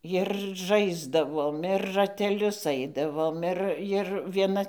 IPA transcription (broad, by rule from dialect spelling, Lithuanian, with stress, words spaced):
jɪr ˈʒɐɪzdɐʋoːm ɪr rɐtʲɛˈlʲʊs ˈɐɪdɐʋoːm ˈɪr jɪr ʋʲiɛˈnɐ